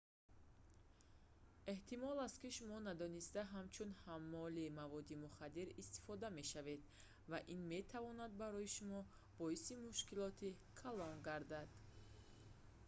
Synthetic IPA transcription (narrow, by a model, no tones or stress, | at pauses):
e̞ht̪ʰimɔlast̪̚kiʃumɔnad̪ɔnist̪aɦamt͡ʃʰunhamːɔlimavɔd̪imuχad̪iɾist̪i̥fɔd̪ame̞ʃave̞d̪ | vaʔinme̞t̪ʰavɔnad̪̚baɾɔjiʃumɔ | b̥ɔisimuʃkilɔt̪ʰi | kʰalɔŋɡaɾd̪ad̪̥